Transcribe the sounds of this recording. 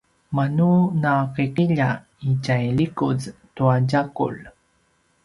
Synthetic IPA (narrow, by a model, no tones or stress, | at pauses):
manunaqiqiʎa | icajɭikuztuaɟakṵɭ